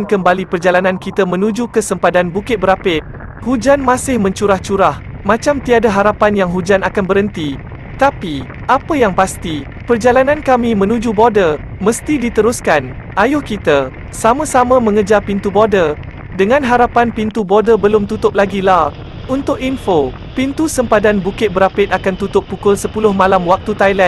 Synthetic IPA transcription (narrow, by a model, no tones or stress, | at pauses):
nkəmbalipərd͡ʒalanãnkit̪amə̃nud͡ʒukəsəmpadanbukɪt̪̚bəɾapɪt̪̚ | hud͡ʒanmasɪhmə̃ɲt͡ʃuɾaht͡ʃuɾah | mãt͡ʃamt̪iadaɦaɾapanjaŋɦud͡ʒanakanbəɾənt̪i | t̪api | ʔapəjaŋpast̪i | pərd͡ʒalanãnkamimə̃nud͡ʒubodə | məst̪idit̪əɾʊskan | ʔajʊhkit̪a | samãsamãmə̃ŋəd͡ʒarpint̪ubodə | dəŋãnɦaɾapanpint̪ubodəbəlʊmt̪ut̪ʊp̚laɡila | unt̪ʊk̚info | pint̪usəmpadanbukɪt̪̚bəɾapɪt̪akant̪ut̪ʊpːukʊlsəpulʊhmãlamwak̚t̪ut̪ajlɛn